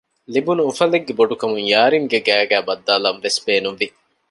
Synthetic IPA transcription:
libunuufɐleɡːeboɖukɐmuŋjaːɾiŋɡeɡæːɡæːbɐd̪ːaːlɐnʋesbeːnunʋi

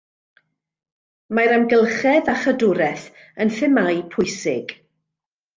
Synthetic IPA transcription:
maɾamɡəlˠχɛðaχədʊɾɛθ | ənθɪmajpʰʊjsɪɡ̥

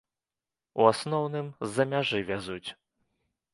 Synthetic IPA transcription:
uasnɔwnɨmzːɐmʲaʐɨvʲazut͡sʲ

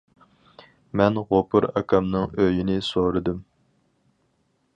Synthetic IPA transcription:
mɛnʁopʰʊɾɑ̰kʰʲɑmnɨŋøjinɪsoɾɨd̪ɨm

